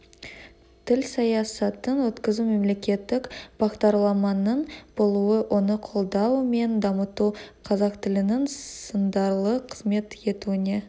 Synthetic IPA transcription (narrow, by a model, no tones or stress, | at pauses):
t̪ʰɪlsɑjɑsɑt̪ənwɵt̪kʲɪzume̞mle̞kʲe̞t̪ːɪkb̥ɑqd̪ɑɾlˠɑmɑnəɴb̥olˠuəwʔo̞nəqʰo̞lˠd̪ɑwme̞nd̪ɑmət̪uqʰɑzɑqt̪ɪlɪnɪŋssənd̪ɑɾlˠəqʰəzme̞t̪e̞t̪uɪne̞